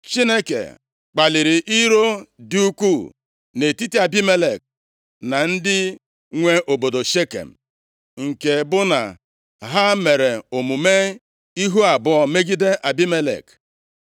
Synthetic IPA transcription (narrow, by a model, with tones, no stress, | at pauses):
t͡ʃi˦ne˦kḛ˨ | k͡pa˨li˨ɾi˨ʔi˦ɾo˦di˦u˦ku˦˨ | ne˨ti˦ti˦a˨bi˦me˦le˨k̚ | na˨n̩˦dɪ˦ | ŋʷe˦ʔo˨bo˨do˨ʃe˦kḛ˨m̩˨ | ŋ̩˨ke˨bʊ˦na̰˨ | ɦa˦me˨ɾe˨o˨mu˨me˦ | i˦ɦu˦a˨bʊ˦ɔ˨me˦ɡi˦de˦ʔa˨bi˦me˦lḛ˨k